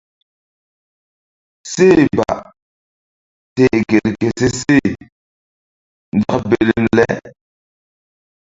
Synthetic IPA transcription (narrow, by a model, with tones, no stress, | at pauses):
se˦˨ba̰˨ | te˨ɡe˨ɾke˨se˦se˦˨ | nda˦kbe˦˨li˦nlɛ̰˦